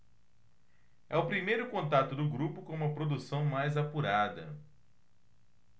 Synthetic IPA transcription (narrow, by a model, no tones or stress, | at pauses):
ɛʊpɾimejɾʊkõnt̪at̪ʊd̪ʊɡɾupʊkõũmɐpɾod̪usɐ̃w̃majzapuɾad̪ɐ̰